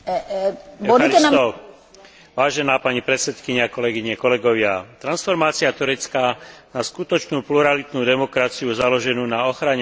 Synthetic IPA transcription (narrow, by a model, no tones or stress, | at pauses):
bɔd̪uɛnaɔ | ʋaːʒɛnaːpaɲipɾɛt͡sɛt̪kiɲakɔlɛɡiɲɛkɔlɛɡɔʋɪat̪ɾansfɔɾmaːt͡siat̪uɾɛt͡skaːnaskut̪ɔt͡ʃnuːpluɾalit̪nuːd̪ɛmɔkɾat͡siuzalɔʒɛnuːnaɔxɾaɲɛ